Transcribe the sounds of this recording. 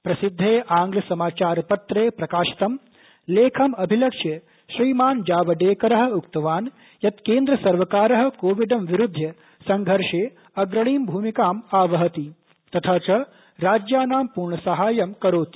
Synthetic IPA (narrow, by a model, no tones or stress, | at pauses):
pɾɐsid̪ʱːeːʔaːŋɡlɐsɐmaːt͡ʃaːɾpɐt̪ɾeːpɾɐkaːʃi̥t̪ɐm | leːkʰɐmɐbʱilɐkʂjɐ | ʃɾiːmaːnd͡ʒaːʋɐɖeːkɐɾɐɦɐ̆ukt̪ɐʋaːn | jɐt̪keːnd̪ɾɐsɐɾʋɐkaːɾɐɦɐ̆koːʋiɖɐmʋiɾud̪ʱːjɐ | sɐŋɡʱɐɾʂeː | ɐɡɾɐɳiːmbʱuːmikaːmaːʋɐɦɐt̪i | t̪ɐt̪ʰaːt͡ʃɐ | ɾaːd͡ʒjaːnaːmpuːɾɳɐsɐɦaːjɐmkɐɾoːt̪i̥